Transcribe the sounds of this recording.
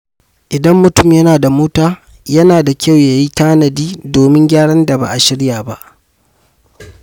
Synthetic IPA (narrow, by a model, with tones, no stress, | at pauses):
ʔɪ˨dɐ˦mːʊ˨tʊ˦˨mjɐ˦naː˨da˨moː˦taː˦ | jɐ˦naː˨da˨kʲa˦˨wja˨ji˦taː˦nɐ˨diː˦doː˨mɪ˦ŋɡʲaː˦ɽɐ˦nda˨ba̰˨ʔa˨ʃɪ˦ɽjaː˨ba˦ʔ